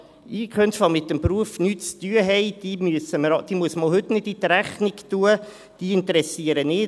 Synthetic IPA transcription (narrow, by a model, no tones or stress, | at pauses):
iːkχœntfɑlmɪtːəmpɾuəfnyːt͡st̪yːəɦɛɪd̥iːmyəsəməɾd̥̪iːmuəsmɔlɦʏtnɪditːɾæχnɪktuə | d̥iːɪntəɾɛsiəɾənɪː